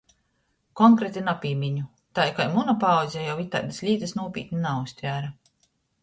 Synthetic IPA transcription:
kɔŋkɾɛt̪inapʲiːmʲiɲu | t̪ajkajmunɔpawzʲɛjawit̪ːa̰jd̪aslʲiːt̪asnuɔpʲḭːt̪ʲnʲinaust̪ʲvʲæːɾa

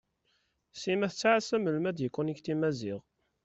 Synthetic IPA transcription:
simæθət͡sːʕasæmːəlmæd̪jəkʷːuniçt̪imæziʁ

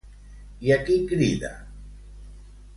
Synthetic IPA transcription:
jakikɾiða̰

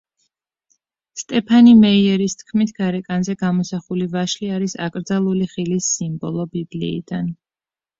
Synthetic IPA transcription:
st̪ʼɛpʰanimɛiɛɾist̪ʰkʰmit̪ʰɡ̥aɾɛkʼanzɛɡamɔsaχulivaʃliaɾisa̰kʼɾd̪zalˠuliχilisːimbɔlˠɔbiblḭːd̪an

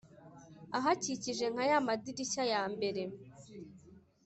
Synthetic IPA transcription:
aɦaciciʒe̞ŋ̥ajamadiɾiçajaːmbe̞ɾe̞

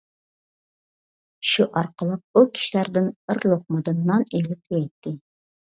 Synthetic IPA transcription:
ʃuʔɑɾqəlˠəq̚ukʲʰi̥ʃlæɾd̪ɪnɨɾlˠoχ̚mɨd̪ɨnːɑnelɪp̚jɛjt̪ʰːɪ

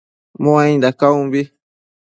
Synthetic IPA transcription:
mõãĩnd̪akaũmbi

